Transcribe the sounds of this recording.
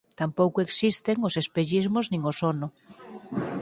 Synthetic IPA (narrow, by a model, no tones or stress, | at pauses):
t̪ampowkoeksist̪eŋosespeʎizmoznĩŋosonʊ